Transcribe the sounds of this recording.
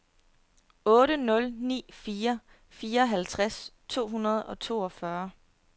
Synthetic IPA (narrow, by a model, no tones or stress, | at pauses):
ɔ̽ːɾənɔ̽lnḭːfiːɐ | fiːɐɒɦælt͡sʰʁast͡sʰo̝̰ːɦunɐð̞ˠɒ̽t͡sʰo̝̰ːɒ̽fɶɐ